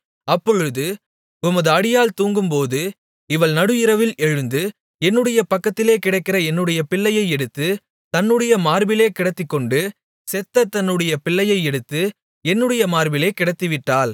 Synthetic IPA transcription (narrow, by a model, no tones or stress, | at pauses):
ɐpːɔɻɯðɯ | ʊmɐðɯɐɽɪjaːlt̪uːŋɡɯmpoːðɯ | ɪʋɐɭnɐɽɯɪɾɐʋɪlɛɻɯnd̪ɯ | ɛnːɯɽɐjɐpɐkːɐt̪ːɪleːkɪɽɐɪkːɪrɐɛnːɯɽɐjɐpɪɭːɐjɐɪɛɽɯt̪ːɯ | t̪ɐnːɯɽɐjɐmaːɾbɪleːkɪɽɐt̪ːɪkːɔɳɖɯ | sɛt̪ːɐt̪ːɐnːɯɽɐjɐpɪɭːɐjɐɪɛɽɯt̪ːɯ | ɛnːɯɽɐjɐmaːɾbɪleːkɪɽɐt̪ːɯʋɪʈːaːl